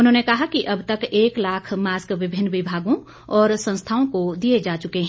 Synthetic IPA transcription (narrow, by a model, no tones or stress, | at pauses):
ʊnɦõːnekɐɦakiʔɐbt̪ɐkeːklaːkʰmaːskʋɪbʱɪnːʋɪbʱaːɡõ | ɔːɾsɐ̃nst̪ʰaːõkod̪ied͡ʒaːt͡ʃʊkeɦɛ̃